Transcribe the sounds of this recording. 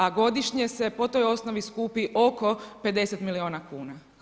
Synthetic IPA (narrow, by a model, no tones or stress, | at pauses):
aɡo̞d̪iʃɲese̞po̞t̪o̞jo̞snoʋiskuːpiʔo̞ko̞pe̞d̪e̞set̪milioːnakuːna